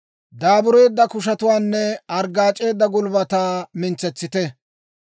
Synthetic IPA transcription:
d̪aːbʊɾe̞ːd̪ːɐkʊʃ̬ɐt̪ʊwaːnːɛɐɾɡaːt͡ʃʼe̞ːd̪ːɐɡʊlbɐt̪aːmɪnt͡sːɛt͡sːɪt̪ɛ

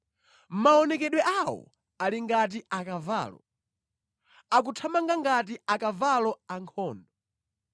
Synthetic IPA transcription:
m̩maɔnɛkɛɗwɛʔawɔ̰ | aliŋɡat̬iʔakava̰ːlɔ̰ | ak̬utʰamaŋɡaŋɡat̬iakavalɔaŋkʰɔːndɔ

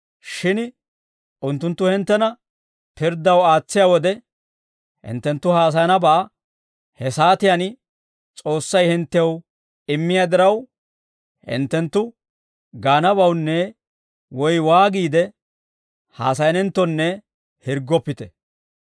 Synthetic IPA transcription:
ʃɪn | ʔʊnt̪ːʊnt̪ːʊhɪnt̪ːɛnɐ | pɪɾd̪ɐwaːt͡sːɪjawɔd̪ɛ | hɪ̰nt̪ːɛnt̪ːʊhaːs̬ɐjɐnɐbɐʔː | hɛsaːt̪ɪjan | t͡sʼo̞ːsːɐjhɪnt̪ːɛw | ɪmːɪjaːd̪ɪɾɐw | hɪ̰nt̪ːɛnt̪ːʊ | ɡaːnɐbɐwnːɛ | wɔjwaːɡiːd̪ɛ | ha̰ːsɐjɐnɛnt̪ːɔnːɛ | hɪɾɡɔpːɪt̪ɛ

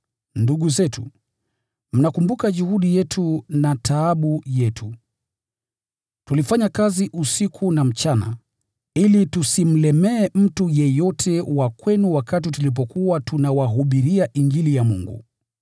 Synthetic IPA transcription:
nduɠuzɛtṵ | m̩nakumbukaʄuhuɗijɛtʰunatʰaːɓujɛtʰu | tulifaɲakaziʔusikʰunam̩t͡ʃana̰ | ilitusim̩lɛmɛːm̩tujɛjɔtʰɛwakwɛnuwakat̬itulip̬ɔkuwatunawaɦuɓiɾiaʔiŋɡilijamṵŋɡṵ

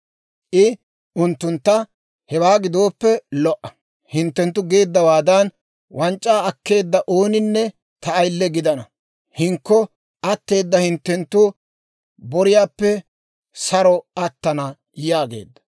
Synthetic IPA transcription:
ʔɪ | ʊnt̪ːʊnt̪ːɐ | hɛwaːɡɪd̪o̞ːpːɛlɔʔɐ̥ | hɪnt̪ːɛnt̪ːʊɡe̞ːd̪ːɐwaːd̪ɐn | wʔɐnt͡ʃʼːaːɐkːe̞ːd̪ːɐʔo̞ːnɪnːɛ | t̪ɐːjlːɛɡɪd̪ɐnɐ | hɪŋkːɔ | ʔɐt̪ːe̞ːd̪ːɐhɪnt̪ːɛnt̪ːʊ | bɔɾɪjaːpːɛ | sɐɾɔɐt̪ːɐnɐ | jaːɡe̞̰ːd̪ːɐ

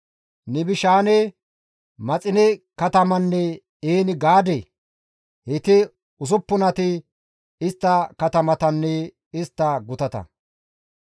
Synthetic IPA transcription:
nɪbɪʃaːnɛ | mɐt͡sʼɪnɪkɐt̪ɐmɐnːɛ | eːnɪɡaːd̪ɛ | hɛt̪ɪ | ʊs̬ʊpːʊnɐt̪ɪ | ɪst̪ːɐkɐt̪ɐmɐt̪ɐnːɛ | ɪst̪ːɐɡʊt̪ɐt̪ɐ̰

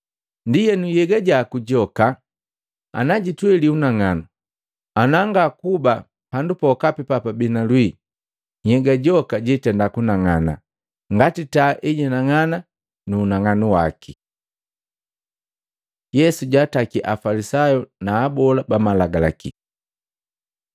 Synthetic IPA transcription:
ndijɛnujɛɡaɟaːkuɟɔka | a̰naɟitwɛliunaŋanu | anaŋɡakuba | handupɔkapipapabinalwi | ɲhɛɡaɟɔkaɟɛtɛndakunaŋana̰ | ŋɡatitaʔɛɟɛnaŋana | nuːnaŋanuwa̰ki | jɛsuɟaːtakiʔafalisajɔnaːbɔlabamalaɡala̰ki

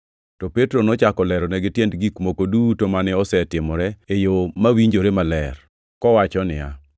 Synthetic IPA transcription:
tɔpetɾonɔt͡ʃakɔlɛɾɔnɛɡɪtjendɡikmokodutomanɪɔsɛtɪmɔɾɛejomawiɲd͡ʒoɾemalɛr | kɔwat͡ʃɔnɪ̰ja̰

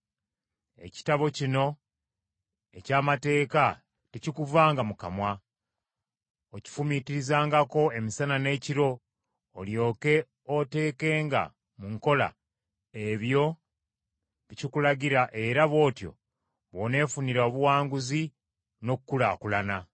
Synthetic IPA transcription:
e̞̰ci̥taβo̞cino̞ | e̞caːmate̞ːka | tecikuvaːŋɡamukamwa | oci̥fumitiɾizaːŋɡako̞e̞misanane̞ːciɾo̞ː | ljo̞ːke̞ | o̞te̞ːke̞ːŋɡa̰ | muŋko̞la̰ | eβjo̞ | βicikulaɡiɾaʔe̞ɾaβo̞ːtjo̞̰ | βo̞ne̞ːfuniɾo̞βuwaːŋɡuzi | no̞kukːulakulana

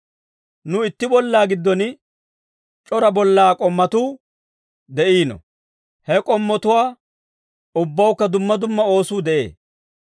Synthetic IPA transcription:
nʊɪt̪ːɪbɔlːaːɡɪd̪ːɔn | t͡ʃʼɔɾɐbɔlːaːkʼɔmːɐt̪uː | d̪ɛʔiːnɔ̰ | hɛkʼɔmːɔt̪ʊwaː | ʊbːɐwʊkːɐd̪ʊmːɐd̪ʊmːɐo̞ːsuːd̪ɛʔḛː

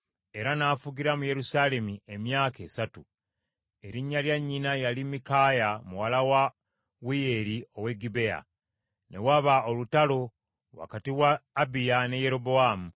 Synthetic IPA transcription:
e̞ɾanaːfuɡiɾamuje̞ɾusaːle̞miemjaːke̞ːsatu | e̞ɾiɲːaljaɲːinajalimikajamuwalawa | wijeɾio̞we̞ɡibe̞a̰ | ne̞waβaolutalo̞ | wa̰katiwaːbijane̞je̞ɾo̞bo̞amu

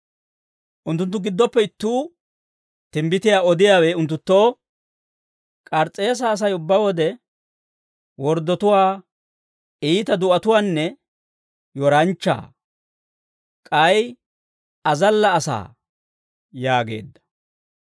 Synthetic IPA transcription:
ʔʊnt̪ːʊnt̪ːʊɡɪd̪ːɔpːɛɪt̪ːuː | t̪ɪmbɪt̪ɪjaːɔd̪ɪjaːweːʊnt̪̬ːʊt̪ːo̞ː | kʼɐɾt͡sʼe̞ːs̬ɐːs̬ɐjʊbːawɔd̪ɛ | wɔɾd̪ːɔt̪ʊwaː | iːt̪ɐd̪ʊʔɐt̪ʊwaːnːɛ | jɔɾɐnt͡ʃːa̰ː | kʼɐj | ɐzɐlːɐːsa̰ː | jaːɡe̞̰ːd̪ːɐ̥

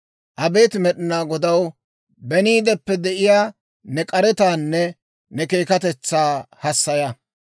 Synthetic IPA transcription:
ʔɐbe̞ːt̪mɛɗɪnaːɡɔd̪ɐw | bɛniːd̪ɛpːɛd̪ɛʔɪjaː | nɛkʼɐɾɛt̪aːnːɛ | nɛke̞ːkɐt̪ɛt͡sːaːhɐsːɐjɐ

